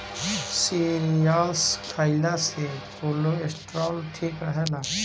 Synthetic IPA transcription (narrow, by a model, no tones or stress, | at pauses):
siɾijaːlskʰaːilasepoːloesʈɾɔːlʈʰiːkɾəɦɛna